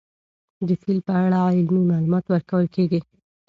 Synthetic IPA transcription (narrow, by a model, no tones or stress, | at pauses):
d̪əsilpəaɽaaɪlmimɑlumɑt̪wəɾkawəlkeɡi